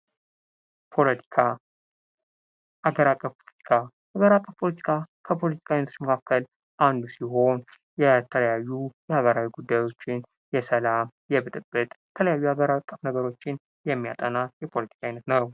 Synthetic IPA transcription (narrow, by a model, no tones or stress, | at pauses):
p̪ʰa | aɡəɾakʼːəfpolt̪i̥kʰa | aɡəɾakʼːəfpʰo̞lət̪ʰi̥kʰakʰəpʰo̞lət̪ʰi̥kʰainəməkʰakʰːəl | ʔand̪usiɦo̞n | jɛt̪ʰələjajːujɛhaɡəɾawiɡud̪ːajo̞t͡ʃːɪn | jɛsəlamjɛβɨt̪ʼɨbːɨt̪ʼjɛt̪ʰələjajːuaɡəɾakʼːəfnəɡəɾo̞t͡ʃːɪn | jɛmːija̰t̪ʼənajɛpʰo̞lət̪ʰi̥kʰajnət̪nəw